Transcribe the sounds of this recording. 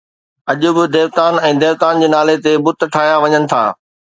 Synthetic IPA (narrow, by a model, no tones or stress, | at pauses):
ɐʄʊbɪd̪eːʋt̪aːnɛ̃ːd̪eːʋt̪aːnd͡ʑeːnaːlet̪ebʊt̪ʈʰaːɦijaʋɐɲənɪ̆t̪ʰa̰ː